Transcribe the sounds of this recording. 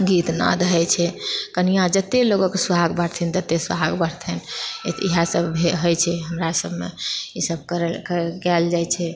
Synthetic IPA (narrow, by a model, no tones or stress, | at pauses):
ɡit̪na̰d̪əɦɛt͡ʃʰɛkənijãd͡ʒət̪ːeloɡokesuaɡbəɽt̪ʰɛnd͡ʒ̪ət̪ːesaɡbəɽt̪ʰɛnḛt̪ḭɦasəbʱbʱeɦəjt͡ʃʰɛɦəmɾasəbʱmḛisəb̚ʱkəɾkkɛld͡ʒajt͡ʃʰɛ